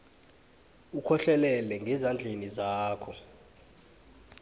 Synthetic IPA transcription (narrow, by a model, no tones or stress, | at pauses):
ukʰɔɬɛlɛlɛŋɡʱɛzand͡ɮʱenizaːkʰɔ